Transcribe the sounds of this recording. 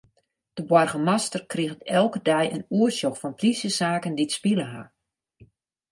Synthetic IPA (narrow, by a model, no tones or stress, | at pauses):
d̥əbwɔrɣəmastərkriɣtɛlˠkədɛjənuərsjoxfɔnprisjəsaːkənditspiləɦa̰